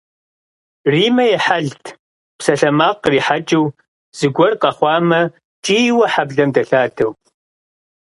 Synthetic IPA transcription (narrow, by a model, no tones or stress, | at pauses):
riːmɐjɛħaɮtʰ | psɐɬɐmaːqriːħat͡ʃʼɨw | z̥ɨɡʷɔrqɐχʷɑːmɐ | t͡ʃʼiːwɐħabɮɐmdɐɬaːdʰɐw